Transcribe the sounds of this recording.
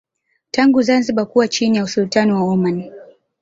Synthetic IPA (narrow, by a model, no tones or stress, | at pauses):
taŋɡuzanziɓakuwat͡ʃinijausultanɔwaɔman